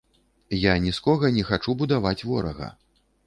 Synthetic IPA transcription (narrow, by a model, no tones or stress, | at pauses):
janʲiskɔɣɐnʲɛxat͡ʂubud̪avat͡sʲvɔɾɐ̰ɣɐ̰